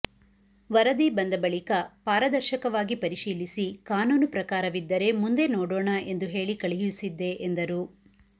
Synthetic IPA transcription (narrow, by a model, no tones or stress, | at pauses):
ʋɐɾɐd̪ibɐnd̪ɐbɐɭikɐpaːɾɐd̪ɐɾʃɐkɐʋaːɡipɐɾiʃiːlisikaːnuːnupɾɐkaːɾɐʋid̪ːɐɾe̞mund̪e̞noːɽoːɳɐʔe̞nd̪uɦe̞ːɭikɐɭijusid̪ːe̞ʔend̪ɐɾu